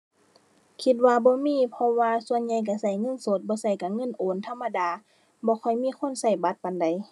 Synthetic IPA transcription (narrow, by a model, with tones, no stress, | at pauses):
kʰi˧t̪̚waː˧bɔː˧˦miː˧˥˨pʰɔ˧waː˧su˧ə˨nɲa˧jk̬a˧˩sa˧˩jŋɤ˧˥˨nso˧˦t̪̚bɔː˧˦sa˧˩jka˧˩ŋɤ˧˥˨nʔoː˨˦nt̪ʰa˧˥˨mːa˧˨daː˨˦ | bɔː˧˦kʰɔ˨˩jmiː˧˥˨kʰo˧˥˨nsa˧˩jba˧˦t̪̚pa˨nda˨j